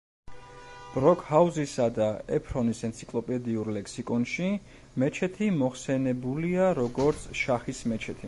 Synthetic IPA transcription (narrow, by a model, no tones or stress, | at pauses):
b̥ɾɔkʰhauzisad̪aɛpʰɾɔnisɛnt̪sʰikʼlˠɔpʼɛd̪iuɾlɛkʰsikʼɔnʃi | mɛt͡ʃʰɛt̪ʰimɔχsɛnɛbuliaɾɔɡɔɾt̪sʰʃaχismɛt͡ʃʰɛt̪ʰi